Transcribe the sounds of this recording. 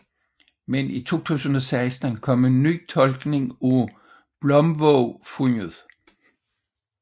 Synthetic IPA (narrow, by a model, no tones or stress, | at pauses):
menit͡sʰo̝̰ːt͡sʰṵːsn̩ɒ̽sɑ̈ɪsd̥n̩kʰɒ̽me̝nːy̰ːt͡sʰɒ̽lɡ̥ne̝ŋu | b̥lɒ̽mʋɔʊfuŋəðˠ